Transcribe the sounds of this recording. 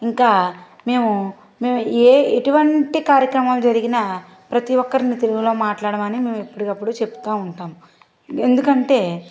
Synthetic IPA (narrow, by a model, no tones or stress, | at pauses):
iŋkaː | me̞ːmu | me̞ːmueːeʈuʋɐɳʈikaːɾjɐkɾɐmaːlud͡ʒɐɾiɡinɐ | pɾɐt̪iʋɔkːɐɾinit̪e̞luɡulo̞ːmaːʈlaːɽɐmɐnime̞ːmuepːuɽikɐpːuɽut͡ʃe̞pu̥t̪aːmuɳʈaːmu | end̪ukɐɳʈe̞ː